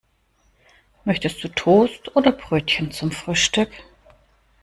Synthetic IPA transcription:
mœçtəst̚d̥uːtʰoːstʔoːdɐbʁøːtçənt͡sʊmfʁ̥yːʃtʏk

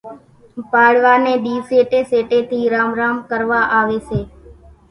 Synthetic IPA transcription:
paːɽʋaːnẽːɗiːseːʈeːseːʈeːt̪ʰiːɾaːmɾaːmkəɾʋaːʔaːʋeːseː

